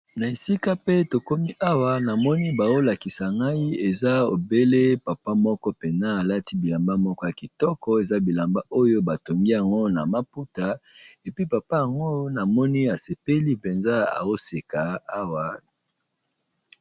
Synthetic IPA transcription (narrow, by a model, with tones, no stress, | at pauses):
na˨e˨si˦ka˦pe˦to˨ko˦mi˦ʔa˦wa˦na˨mɔ˦ni˦ba˨o˦la˨ki˨sa˨ŋɡa˦i˦e˨za˦o˨be˦le˦pa˨pa˦mɔ˦kɔ˦pe˨na˦a˨la˦ti˦bi˨la˨mba˦mɔ˦kɔ˦ja˨ki˨tɔ˦kɔ˦e˨za˦bi˨la˨mba˦o˦jo˦ba˨to˨ŋɡi˦ja˨ŋɡo˦na˨ma˦pu˦ta˨e˨pi˦pa˨pa˦ja˨ŋɡo˦na˨mɔ˦ni˦a˨se˨pe˦li˦pe˨nza˦a̰˨o˦se˨ka˨a˦wa˦